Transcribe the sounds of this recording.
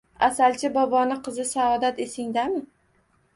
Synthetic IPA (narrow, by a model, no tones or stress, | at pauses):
asalt͡ʃʰɪbɒbɒnɪqʰɨzɪsaɒd̪at̪e̞sɪŋd̪amɪ